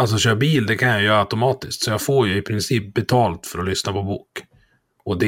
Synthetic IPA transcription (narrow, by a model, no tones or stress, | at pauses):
als̬ɔɕœːɾbiːld̪ɛkʰanjajœːɾaʉt̪ʊmɑːt̪ɪskt̪sɔjɑːfoːɾjəɪpʰɾɪnsiːp̚bɛt̪ʰɑːlt̪fœɾɔlʏsnapʰɔbuːk | ɔd̪ɛ